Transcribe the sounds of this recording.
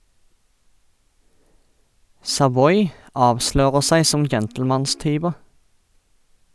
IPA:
sɑˈʋɔʏ ˈɑːʋˌʃløːʁəʁ ˈsæɪ ˈsɔm ˈd͡ʒɛntl̩mɑnˌstyːʋəʁ

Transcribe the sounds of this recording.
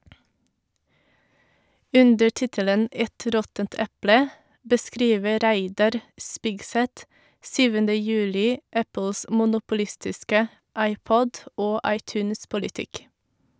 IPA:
ˈʉndəɾ ˈtɪtələn ˈɛt ˈɾɔtənt ˈɛplə bəˈskɾiːʋə ˈɾæɪdɑɾ ˈspɪɡˌsɛt ˈsyːʋəndə ˈjʉːlɪ ˈæpəls mʊnʊpʊˈlɪstɪskə ˈɑɪˌpɔd ˈoː ˈɑɪˌtʉːnspɔlɪˌtɪk

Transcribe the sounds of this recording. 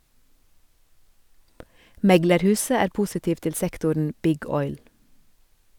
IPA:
ˈmɛɡləɾˌhʉːsə ˈæːɾ ˈpʊsɪtiːʋ ˈtɪl ˈsɛktʊɳ ˈbɪɡ ˈɔʏl

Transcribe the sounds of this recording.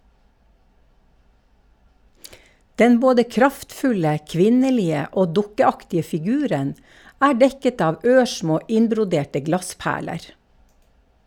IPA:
ˈdɛn ˈboːdə ˈkɾɑftˌfʉlə ˈkʋɪnəˌliːə ˈoː ˈdʊkəˌɑktɪə fɪˈɡʉːɾən ˈæː ˈɖɛkət ˈɑːʋ ˈøːˌʃmoː ˈʔɪnbɾʊˌdeːʈə ˈɡlɑˌspæːɭəɾ

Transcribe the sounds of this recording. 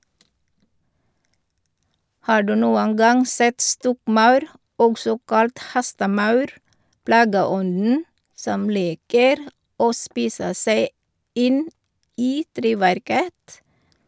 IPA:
ˈhɑː ˈɖʉː ˈnuːən ˈɡɑŋ ˈsɛt ˈstɔkˌmɑʉɾ ˈɔɡsɔ ˈkɑlt ˈhɛstəˌmɑʉɾ ˈplɑːɡəˌɔndn̩ ˈsɔm ˈliːkəɾ ˈoː ˈspiːsə ˈseɪ ˈɪn ˈiː ˈtɾeːʋæɾkət

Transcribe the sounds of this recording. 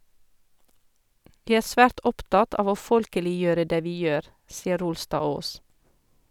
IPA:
ˈʋiː ˈæːɾ ˈsfæːʈ ˈɔpˌtɑt ˈɑːʋ ˈoː ˈfɔlkəlɪˌjøːɾə ˈdeː ˈʋiː ˈjøːɾ ˈsiːə ˈɾʊlˌstɑːˌoːs

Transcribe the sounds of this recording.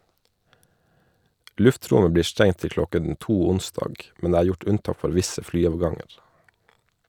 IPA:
ˈlʉfˌtɾʊmə ˈbliːɾ ˈstɛŋ ˈtɪl ˈklɔkɛn ˈtuː ˈʊnsdɑːɡ ˈmɛn ˈdeː ˈæːɾ ˈjʊʈ ˈʉnˌtɑːk ˈfɔɾ ˈʋɪsə ˈflyːɑːʋˌɡɑŋəɾ

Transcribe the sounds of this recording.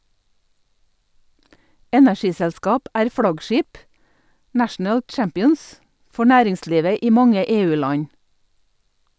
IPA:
ˈɛnæˌʃiːsɛlˌskɑːp ˈæːɾ ˈfɽɑɡˌʃiːp ˈnæʃn̩əl ˈt͡ʃæmpɪəns ˈfɔ ˈnæːɾɪŋˌsliːʋə ˈiː ˈmɑŋə ˈeːˌʉːˌlɑɲ

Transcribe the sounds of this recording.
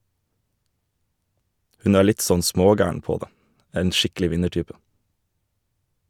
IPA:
ˈhʉn ˈæː ˈɭɪt ˈsɔn ˈsmoːˌɡæːəɳ ˈpoː ˈdeː ˈeːn ˈʃɪkl̩ɪ ˈʋɪnəˌʈyːpə

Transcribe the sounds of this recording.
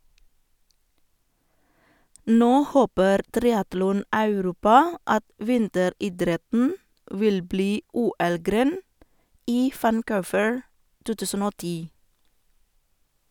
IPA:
ˈnoː ˈhoːpəɾ ˈtɾɪɑtlɔˌnɑʉˌɾuːpɑ ˈɑt ˈʋɪntəˌɾiːˌdɾɛtn̩ ˈʋɪl ˈbliː ˈuːˌɛlˌɡɾeːn ˈiː ʋænˈkʊːʋəɹ ˈtuː ˈtʉːsən ˈoː ˈtiː

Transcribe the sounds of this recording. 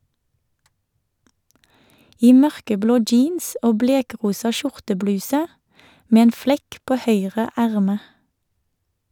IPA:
ˈiː ˈmœʁkəˌbloː ˈd͡ʒiːns ˈoː ˈbleːˌkʁuːsɑ ˈʃʊʁtəˌblʉːsə ˈmeː ˈeːn ˈflɛk ˈpoː ˈhœʏʁə ˈæʁmə

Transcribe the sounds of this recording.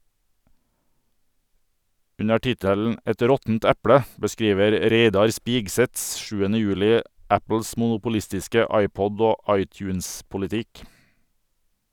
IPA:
ˈʉnə ˈʈɪtəln̩ ˈɛt ˈɾɔtn̩t ˈɛplə bəˈskɾiːʋəɾ ˈɾeɪdɑɾ ˈspɪɡˌsɛt ˈʃʉːənə ˈjʉːlɪ ˈæpl̩s mʊnʊpʊˈlɪstɪskə ˈɑɪˌpɔd ˈoː ˈɑɪˌtjʉːnspʊlɪˌtɪk

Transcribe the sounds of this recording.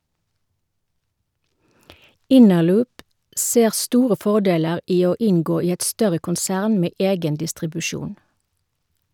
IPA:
ˈɪnəˌlʉːp ˈseːʁ ˈstuːʁə ˈfɔˌdeːləʁ ˈiː ˈoː ˈɪnɡoː ˈiː ˈɛt ˈstœʁə kʊnˈsæːʁn ˈmeː ˈeːɡən dɪstʁɪbʉˈʃuːn

